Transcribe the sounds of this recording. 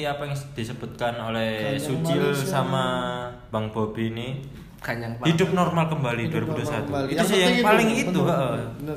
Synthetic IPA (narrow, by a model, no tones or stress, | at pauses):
iapajaŋd̪̥isəb̥ut̪̚kanolɛhsut͡ʃɪlsama | baŋb̥obini | aŋhidʊp̚nɔrmalkəmbaliduaɾibudusat̪uit̪usɪhjaŋpalɪŋit̪uɦaʔə